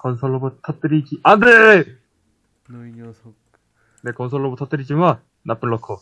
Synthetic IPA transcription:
kʌnsʰʌɭːobotʰʌt͈ɯɾid͡ʑiandee | ne̞kʌnsʰʌɭːobotʰʌt͈ɯɾid͡ʑiman | nap͈ɯɭːʌkʰo

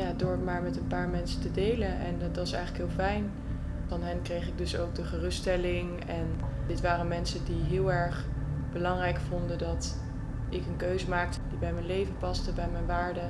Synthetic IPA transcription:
jadʊːɹmaːɹmɛtənpaːɹmɛnsətədejlənɛ̰ntɑsɛ̰jχələkɦɪːlˠfɛjn | fɑnɦɛnkrejχɪɡ̚dɵso̰wk̚dəχərɵstɛlɪŋ | ɛn | dɪtʋaːɾəmɛnsəndiɦɪːlˠɛɹχ | b̥əlɑŋrɛjkfʊndədɑt | ɪkənkøɥzəmaːk̚təd̥ibɛjmɛnlejvəpɑstəbɛjmɛjnʋaːɹdə

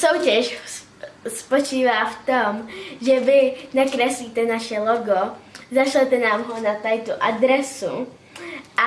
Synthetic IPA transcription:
sowcɛʃ | spo̞t͡ʃiːvaːft̪omʒɛvɪnakɾɛsliːt̪ɛnaʃɛloɡozaʃlɛt̪ɛnaːmɦonat̪ajt̪uʔadɾɛsṵ | ʔa

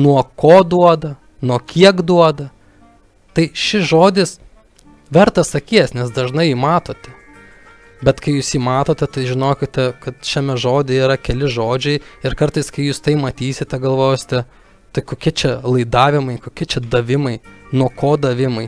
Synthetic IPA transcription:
nuɔkoːd̪uɔd̪ɐ | nuɔkʲiɛkd̪uɔd̪ɐ | t̪ɐɪʃʲɪʒoːd̪ʲɪs | ʋʲɛɾt̪ɐsɐkʲiːsnʲɛsd̪ɐʒnɐɪjiːmɑːt̪oːt̪ʲɛ | bʲɛt̪kɐɪjuːsjiːmɑːt̪oːt̪ʲɛt̪ɐɪʒʲɪnoːkʲɪtt̪ʲɛkɐt̪ʃʲɛmʲɛʒoːd̪ʲɛiːɾɐkʲɛlʲɪʒoːd͡ʒʲɛɪɪɾkɐrt̪ɐɪskɐɪjuːst̪ɐɪmɐt̪ʲiːsʲɪt̪ʲɛɡɐlˠʋoːjoːsʲɪt̪ʲɛ | t̪ɐɪkoːkʲɪt͡ʃʲɛlˠɐɪd̪ɑːʋʲɪmɐɪkoːkʲɪt͡ʃʲɛd̪ɐʋʲɪmɐɪnuɔkoːd̪ɐʋʲɪmɐɪ

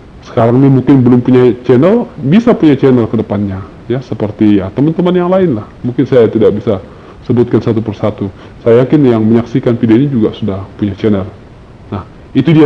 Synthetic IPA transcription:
sə̥kaɾaŋnimuŋkɪnbəlʊmpuɲat͡ʃɛnəlbisapuɲat͡ʃɛnərkədəpanɲa | jasəpərt̪ijat̪əmant̪əmanjaŋlaɪnlahmuŋkɪnsajat̪idak̚bisa | səbʊt̪̚kansat̪upərsat̪u | sajajakɪnjaŋməɲaksikanpidɲad͡ʒuɡasudahpuɲat͡ʃɛnər | nah | it̪udia

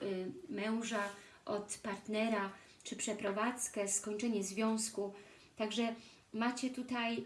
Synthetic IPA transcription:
mɛw̃ʐa | ʔɔt̪paɾt̪nɛɾa | t͡ʂɘpʂɛpɾɔvat̪skɛskɔɲt͡ʂɛɲɛzvʲjɔ̃w̃sku | t̪aɡʐɛ | mat͡ɕɛt̪ut̪aj

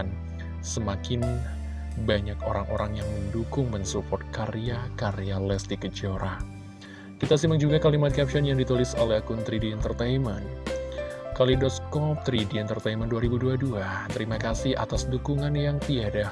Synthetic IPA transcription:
n | səmakɪn | baɲakoɾaŋʔo̰ɾaŋjaŋməndukʊŋmənsupɔrt̪̚kaɾijakaɾialɛst̪ikəd͡ʒɔɾa | kit̪asimaŋd͡ʒuɡakalimat̪̚kɛp̚ʃɔnjaŋdit̪ulɪsolɛhkunt̪ɾidiɛnt̪ərt̪ajmən | kalidɔskɔp̚t̪əɾidiɛnt̪ərt̪ajmənduaɾibuduaduat̪əɾimakasɪhʔa̰t̪asdukuŋanjaŋt̪iada

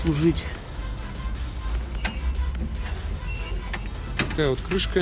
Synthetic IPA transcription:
lˠʊʐɨtʲ | kajot̪kɾɨʂkə

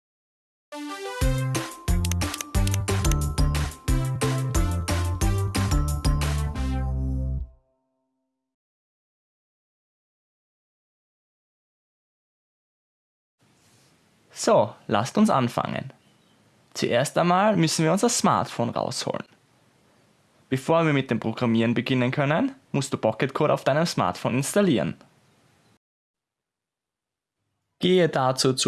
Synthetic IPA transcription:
soːla̰stʊnsʔa̰nfa̰ŋə̰n | t͡sṵʔeːɐstaɪnmaːlmʏsn̩viːɐʊnzɐsma̰ɐtfoːnʁa̰ʊsho̰ːlən | b̥əfoːɐviːɐmɪt̚d̥eːmpʁ̥oɡ̥ʁamiːʁənbəɡɪnənkʰœnənmʊstd̥uːb̥ɔkətkʰoːɾa̰ʊfd̥aɪnəmsma̰ɐtfoːnɪnstaliːʁə̰n | ɡ̥eːədat͡suːt͡s

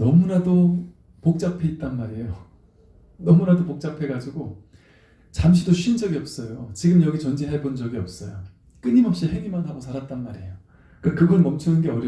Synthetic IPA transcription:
nʌmunado | pok̚t͡ɕ͈apʰe̞it̚t͈anmaɾiejo | nʌmunadopok̚t͡ɕ͈apʰe̞ɡad͡ʑiɡo | t͡ɕamɕʰidoɕʰuind͡ʑʌɡiʌp̚s͈ʌjot͡ɕiɡɯmjʌɡit͡ɕʌnd͡ʑiɦaɭbond͡ʑʌɡiʌp̚s͈ʌ̰jo̰ | k͈ɯɲimʌp̚ɕ͈ihe̞ŋimanɦaɡosʰaɾat̚t͈anmaɾiejo | k͈akɯɡʌnʌmt͡ɕʰunɯnɡe̞ʌɾjʌ

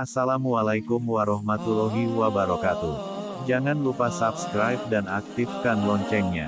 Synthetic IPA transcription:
asalamwalajkumwaɾɔhmat̪ulɔɦiwabaɾɔkat̪u | d͡ʒaŋanlupasapskɾajp̚danak̚t̪ifkanlɔɲt͡ʃɛŋɲa̰

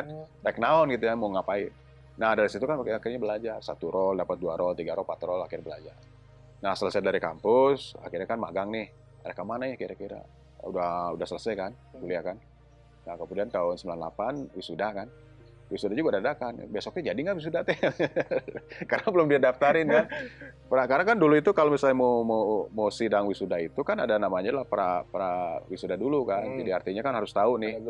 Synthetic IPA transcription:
t̪ɛknaɔnɡit̪ujamoŋapai | nahdaɾisit̪ukankakɪrɲabəlad͡ʒarsa̰t̪uɾɔldapat̪̚duaɾɔlt̪iɡaɾɔlpat̪ɾɔlakɪrbəla̰d͡ʒar | nahsələsadaɾika̰mpʊsa̰kirɲakanma̰ɡaŋnɪh | məɾakamanajakiɾakiɾa̰ | ṵdahudahsələsajkan | kuliakan | nakəmudiant̪aʊnsəmbilanla̰panwisudakan | wisudad͡ʒuɡadadakan̰besɔk̚ɲad͡ʒadiŋɡaʔwis̬udat̪ɛ | karnabəlʊmdiadaft̪aɾɪnkanpəɾakaɾaŋkanduluit̪ukalomisalɲamomomosidaŋwisudait̪ukanadanamaɲalahpɾa̰pɾawisudadulukand͡ʒadiart̪iɲakanɦaɾʊst̪aunɪh

